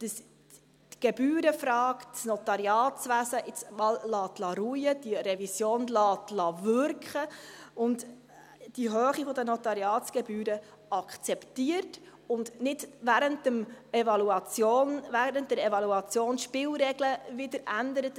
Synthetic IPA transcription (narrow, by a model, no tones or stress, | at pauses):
d̥əs | tɡ̥ɛbyːɾəfɾɑːksnɔt̪ɑɾjɑːtsʋæsəʔɪt͡smɑːllɑːtlɑɾujəd̥iɾɛvisjoːnlɑːtlɑvʏɾkχəʊnd | d̥iɦœːχifɔdənɔt̪ɑɾjɑːtt͡sɡ̥ɛbyːɾə | ɑkχt͡sɛptiəɾt | ʊndnɪdvæɾəntəmɛvɑluɑt͡sjoːnvæɾənt̚dɛɾɛvɑluɑt͡sjoːnʃpɪːlɾɛɡləvɪdəɾænd̪əɾət